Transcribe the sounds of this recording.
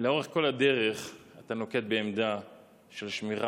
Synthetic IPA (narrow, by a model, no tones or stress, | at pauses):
leo̞ʁeχko̞lad̪e̞ʁeχat̪ano̞ket̪̚beːmd̪a | ʃelʃmiʁa